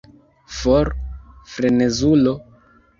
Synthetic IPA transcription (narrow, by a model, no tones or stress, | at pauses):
foɾfɾenezulo